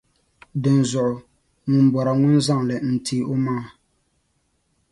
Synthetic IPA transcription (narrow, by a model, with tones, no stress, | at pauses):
dɨ˨n˨zʊ˨ʔʊ˨ | ŋʊ˨m˦bɔ˨ɾa˨ŋʊ˦nza˦˨ŋlɨ˨n̩˨tʰi˦˨˦ʔo˦maː˦˨